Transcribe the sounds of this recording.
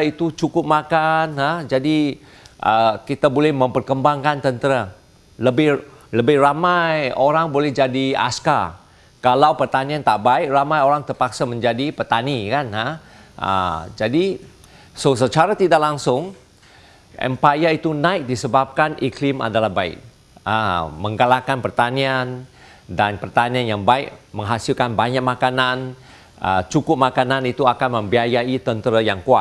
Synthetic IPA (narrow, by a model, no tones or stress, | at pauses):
it̪ut͡ʃukʊp̚makanɦəd͡ʒadi | ʔəkit̪abolɛhmə̃mpərkəmbaŋkant̪ənt̪əɾa | ləbɪh | ləbɪhramajoɾaŋbolɛhd͡ʒadia̰ska̰r | kalawpərt̪aniant̪aʔbaik̚ramajoɾaŋt̪ərpak̚samə̃ɲd͡ʒadipət̪anikanɦa | ʔə̰d͡ʒadi | səsət͡ʃaɾat̪idaʔlaŋsʊŋ | ʔɛ̰mpajait̪unaɪk̚disəbap̚kanʔiklɪma̰dalahbaɪ̰k̚ | ə̰məŋɡalakanpərt̪anian | danpərt̪anianjaŋbaɪk̚məŋɦasilkanbaɲak̚makanan | ə̰t͡ʃukʊp̚makananit̪uakanməmbiajait̪ənt̪əɾajaŋkuat̪̚